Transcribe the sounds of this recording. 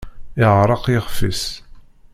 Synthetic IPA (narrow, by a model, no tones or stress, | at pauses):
ɪʁɾˤɑqjɪχfis